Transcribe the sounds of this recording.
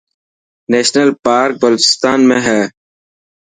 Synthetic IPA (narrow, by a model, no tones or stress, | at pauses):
neːʃnəlpaːɾk̚bəloːt͡ʃɪst̪aːnmẽɦɛː